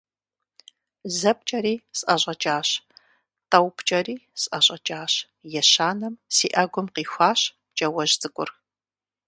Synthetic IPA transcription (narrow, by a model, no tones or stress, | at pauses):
zɐp̚t͡ʃʼɐɾiːsʼʔɐʑʷʼɐt͡ʃʼaːɕ | tɐwpʰt͡ʃʼɐɾiːsʼɐɕʼɐt͡ʃʼaːɕ | jɛɕaːnɐmsiːʔɐɡʷʊmqiːxʷaːɕ | t͡ʃʼɐwɐʒtʰʼɨkʷʼʊ̰r